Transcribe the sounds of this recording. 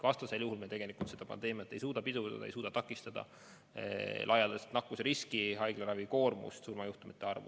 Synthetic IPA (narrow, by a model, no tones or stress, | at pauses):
vɑst̪ɑse̞ljuɦulmet̪e̞ɡ̥e̞likˑult̪se̞d̪̥ɑpɑ̰nd̪̥e̞ːmiɑt̪ːˑe̞jsuːd̪ɑpid̪ud̪ɑ̰d̪ɑ̰ejsuːd̪̥ɑt̪ɑkːˑist̪ɑd̪̥ɑ̰ | lʔɑjɑld̪est̪nɑkːˑuseɾiskiɦɑjɡ̥leɾɑviko̞ːrmṵst̪surmɑjuht̪umit̪ːˑe̞ɑrvṵ